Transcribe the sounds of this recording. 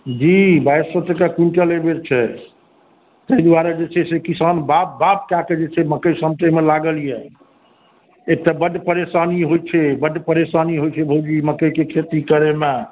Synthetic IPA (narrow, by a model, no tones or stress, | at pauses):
d͡ʒibajsət̪ːekakiɳʈəlebeɾt͡ʃʰɛ | t̪əid̪waɾed͡ʒet͡ʃʰɛsekisanbap̚bap̚kaked͡ʒet͡ʃʰɛməkəjsəmt̪əmelaɡəlijɛ | ek̚t̪abəɖpəɾesaniɦojt͡ʃʰɛbəɖpəɾesaniɦojt͡ʃʰɛbʱod͡ʒiməkəjkekʰet̪ikəɾeme